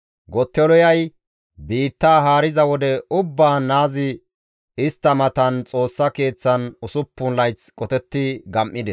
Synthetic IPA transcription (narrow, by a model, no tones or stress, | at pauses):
ɡɔt̪ːɛlɔjɐj | biːt̪ːaːɦaːɾɪzɐwɔd̪ɛʊbːaːnaːzɪ | ɪst̪ːɐmɐt̪ɐnt͡sʼo̞ːsːɐke̞ːt͡sːɐnʊsʊpːʊnlɐjt͡skʼɔt̪ɛt̪ːɪɡɐmʔːɪd̪ɛs